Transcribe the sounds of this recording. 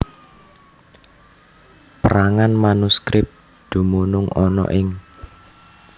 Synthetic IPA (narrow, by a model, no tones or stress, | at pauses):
pəɾaŋanmanuskɾɪp̚ | d̪̥ṳmunʊŋɔnɔ̰ʔɪŋ